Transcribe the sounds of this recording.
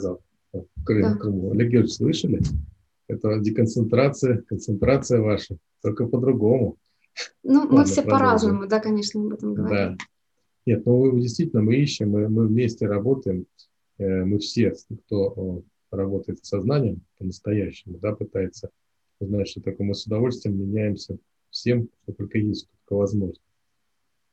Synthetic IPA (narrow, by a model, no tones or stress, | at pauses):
zalˠ | okɾɨmmfkɾɨmulʲɪɡʲislˠɨʂəlʲɪ | ɛt̪ədʲɪkənt̪sɨnt̪ɾat̪sɨjəkənt̪sɨnt̪ɾat̪sɨjəvaʂə | t̪o̞lʲkəpəd̪ɾʊɡo̞mʊ | numɨfssʲepɐɾaznəmʊd̪akɐnʲeʂnəɐbɛt̪əmɡəvɐd̪a | nʲe̞t̪̚noɨdʲɪst̪vʲitʲɪlʲnəmɨiɕːɪmːɨmɨvmʲesʲtʲɪɾɐbo̞t̪əjɪm | əmɨfsʲe̞kt̪o̞ə | rɐbo̞t̪əjɪt̪sɐznanʲɪjəmpənəst̪ɐjæɕːɪmʊd̪apɨt̪ajɪt̪sə | znatʲʂt̪ot̪okomɨsʊd̪ɐvo̞lʲst̪vʲɪjɪmːʲɪnʲæjɪmsʲə | fsʲe̞mʂt̪ot̪o̞lʲkəjesʲt̪ʲt̪ot̪kəvɐzmo̞ʐnə